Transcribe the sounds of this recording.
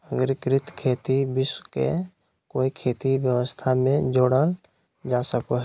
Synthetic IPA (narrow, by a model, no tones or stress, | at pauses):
əɡɾɪkɾɪt̪kʰeːt̪ibɪskḛ | koːikʰeːt̪ibjəwəst̪ʰamẽd͡ʒoːɽəl | d͡ʒaːsəkoɦɛ